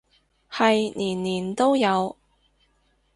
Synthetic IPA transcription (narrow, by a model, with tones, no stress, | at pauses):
hɐ˨jniː˨˩nliː˨˩nt̪o˥wjɐ˨˧w